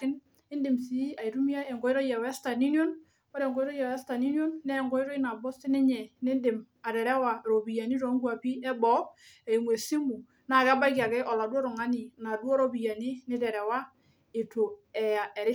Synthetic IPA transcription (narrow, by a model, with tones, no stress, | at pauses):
ɪ˦n | ɪ˦ndɪ˨msi˨˦a˨i˨ɾu˦mi˦a˦ɛ˨ŋɡɔ˨ɪ˦ɾɔ˦ja˨wɛ˦sta˨ni˦njo˦n | ɔ˦ɾɛ˨ŋɡɔ˦jɾɔ˦ja˨wɛ˦sta˨ni˦njo˦nːɛ˦˨ŋɡɔ˦i˦ɾɔ˦i˦na˨bɔ˦stɪ˦nɛ˦ɲɛ˨nɪ˦ndɪ˨m | a˨ɾɛ˨ɾɛ˦wa˨ɾo˨bi˨ja˨ni˦ɾɔ˨˦ŋɡu˦a˨pi˦ɛ˦bɔ˨˦ | ɛ˨i˨ŋwe˨si˦mu˨ | na˨ka˦ba˦ki˨a˨kɛ˦ʔɔ˨la˨dwɔ˦ɾɔ˨ŋa˦ni˨na˨dwɔ˦ɾo˨bi˨ja˨ni˦nɪ˦dɛ˨ɾɛ˨wa˦ | ɪ˨to˨ɛ˨a˨ɛ˨ɾɪ˦